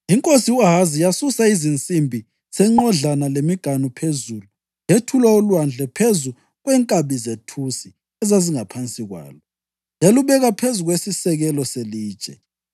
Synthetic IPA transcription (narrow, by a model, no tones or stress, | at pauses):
iŋkʼosiuaɦazijasusaizint͡sʼimbʱi | sɛŋ͡ǃɔɮanalemiɡ̥ʱanupʰezulu | jetʰulaulwand͡ɮʱɛpʰezu | ɣwɛːŋkʼaβizetʰusi | ɛzaziŋapʰant͡sʼiɣwa̰ːlɔ | jeluβɛɣapʰezuɣwesisɛɣɛlɔseliːd̥t͡ʃʼɛ̰